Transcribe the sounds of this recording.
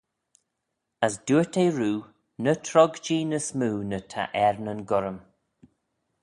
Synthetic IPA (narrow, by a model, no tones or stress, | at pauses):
əsduːətʰeːɹuː | nətʰɹɔɡd͡ʒiːnəsmuːnətʰa̰ʔɛɹnənɡʊɾəm